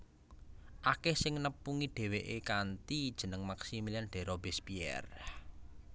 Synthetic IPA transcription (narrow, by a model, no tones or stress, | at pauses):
ʔakɛhsɪŋnəpːuŋiɖ̥e̤weʔekant̪id̥ʒ̥ə̤nəŋmaksimilianɖ̥ɛ̤ɾɔbesbiɛ̰r